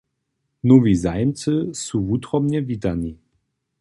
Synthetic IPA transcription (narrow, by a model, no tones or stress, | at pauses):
nuvizaɪmt͡səsuvutʁɔmnɛvitani